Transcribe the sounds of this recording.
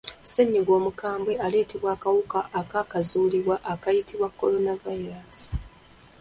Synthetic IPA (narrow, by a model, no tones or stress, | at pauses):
seɲːiɡo̞ːmukaːmbwe̞ale̞ːteβwaːkawukaʔːkaːkazuːliβwaʔakajitiβwakːo̞lo̞navaiɾasi̥